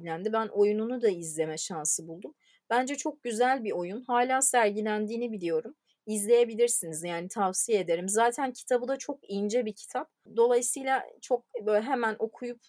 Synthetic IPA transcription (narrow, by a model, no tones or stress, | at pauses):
lʲænd̪ibænʔo̞jununud̪aizlʲe̞mɛʃansɯbulˠd̪um | b̥ænd͡ʒɛt͡ʃʰo̞k̚ɟyzælʲbio̞junhaːlʲaːsæɾɟilʲænd̪iːnibilʲijo̞ɾum | izlʲe̞je̞bilʲiɾsinizjaːnit̪ʰafsijee̞d̪e̞ɾimzaːt̪ʰæncʰi̥t̪ʰabɯd̪at͡ʃʰo̞kijind͡ʒɛbicʰi̥t̪ʰap̚d̪o̞lˠajɯsɯːlˠat͡ʃʰo̞k̚ɦe̞mænʔo̞kʰujup̚